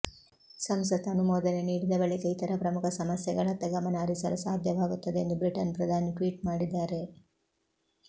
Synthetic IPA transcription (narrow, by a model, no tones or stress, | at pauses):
sɐmsɐt̪ɐnumɔːd̪ɐneniːɽid̪ɐbɐɭikɐit̪ɐɾɐpɾɐmukʰɐsɐmɐsjɐɡɐɭɐt̪ːɐɡɐmɐnɐɐɾisɐɾɐsaːd̪ʱjɐʋaːɡut̪ːɐd̪eend̪ubɾiʈɐnpɾɐd̪ʱaːniʈʋiːʈmaːɽid̪ːaːɾe̞